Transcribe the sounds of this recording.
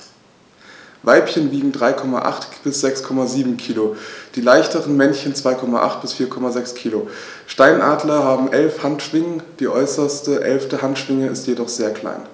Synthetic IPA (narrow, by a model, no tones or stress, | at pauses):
vaɪpçənviːɡŋ̩dʁaɪkʰɔma̰ʔa̰χtb̥ɪsz̥ɛkskʰɔmaziːbm̩kʰiːlod̥iːlaɪçtəʁənmɛnçənt͡sv̥aɪkʰɔma̰ʔa̰χt̚b̥ɪsfiːɐkʰɔmazɛkskʰiːlo | ʃtaɪnʔaːdlɐɦaːbm̩ʔɛlfhantʃv̥ɪŋəd̥iːʔɔʏsɐstəʔɛ̰lftəɦantʃv̥ɪŋəɪstjedɔχz̥eːɐkʰl̥a̰ɪn